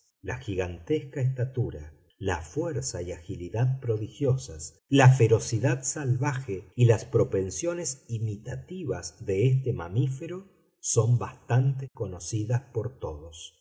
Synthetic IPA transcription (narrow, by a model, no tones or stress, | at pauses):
la̰xiɣant̪eskaest̪at̪uɾa̰ | la̰fwɛɾsaiaxiliðað̚pɾo̞ðixjo̞sas | lafeɾo̞siðaðsalβaxeilaspɾo̞pe̞nsjo̞nesimit̪at̪iβazðeest̪emamifeɾo̞ | so̞mbast̪ant̪eko̞nosiðaspo̞ɾt̪oðos